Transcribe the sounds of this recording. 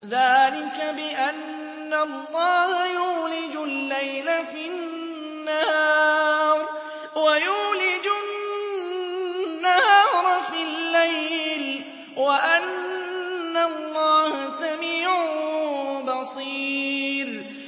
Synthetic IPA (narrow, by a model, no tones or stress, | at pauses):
ðaːlɪkabɪʔanː | alːɑːhajuːlɪd͡ʒʊlːajlafi | nːahːɾˤ | wajuːlɪd͡ʒʊ | nːahɑːɾˤfilːajl | waʔanː | allˤːɑːhasamiːʕ | bɑsˤiːɾ